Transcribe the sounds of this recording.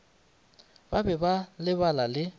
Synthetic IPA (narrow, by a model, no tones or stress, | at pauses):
babɛbalɪbalalɪ